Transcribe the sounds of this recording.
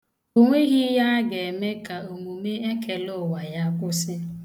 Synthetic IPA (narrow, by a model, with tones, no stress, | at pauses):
o˦ŋʷe˦ɣi˦ja˦a˦ɡe˨me˦ka˨o˨mu˨me˦e˦kʰe˨lʊ˦˨wa˨ja˦kʷʊ˦sɪ˦